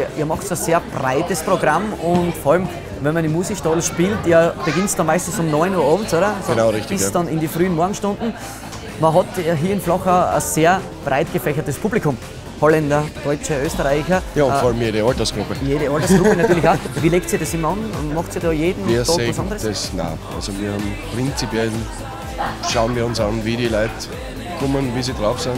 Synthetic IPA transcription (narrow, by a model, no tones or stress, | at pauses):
ʔiːɐmɑχtsseːɐb̥ʁaɪtəspʁ̥oɡʁamʊntfɔɐɑlm | vɛnmɐnɪmuːsiʃtɑlʃpiːlteb̥eɡɪntsd̥ɑnmaɪstn̩sʊmnɔʏnuɐɑːbm̩tsoːɾɐsonʊʁɪçtɪdɑnɪndifʁyːənmɔɐɡŋ̩ʃtʊ̃ndn̩ | mɐɦɑtɦiːɐɪnflɑxəɐ̰seːɐ | b̥ʁaɪtɡ̥əfɛçɐtəspʰublikʰʊm | hɔlɛndɐd̥ɔʏt͡ʃəøːstəʁaɪçɐjaːʊfɔɐalmjeːɾəɑltɐsɡ̥ʁʊpəjeːɾəɑltɐsɡ̥ʁupənat̪yɐlɪçaʋiːleːksiɐdesɪmːɐɑnmɑxtiːdɑːjeːdn̩iɐɔeɑsɑ̃ndəʁəɛsna̰ʔa̰lzoviːɐhɑmpʁɪnt͡sipjɛl | ʃaʊnviːɐʊnsɑnviːɾilaɪt | kʰʊmənviːsidʁaʊfsaɪn